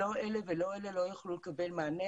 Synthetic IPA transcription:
oʔeleveloelelojaχlulekɐbelmaːne

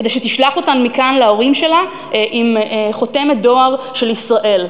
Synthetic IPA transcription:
edejʃet̪iʃlaχo̞tanmikanleo̞ʁimʃe̞la | ʔimχo̞t̪e̞met̚d̪o̞aʁ | ʃe̞lisʁaʔe̞l

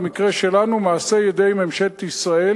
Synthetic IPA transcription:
mikʁe̞ʃelanumaːsejed̪ejmemʃet̪isʁae

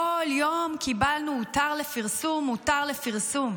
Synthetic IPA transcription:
oljo̞mkʰibalnumutaʁlefiʁsumːutaʁle̞fiʁsum

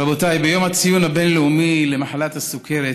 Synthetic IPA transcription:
abot̪ajbejomhat͡sijunabenleumilemaħalat̪hasukʰeɾe

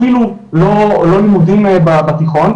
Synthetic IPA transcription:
ilulo̞lo̞limudimebabat̪iχo̞n

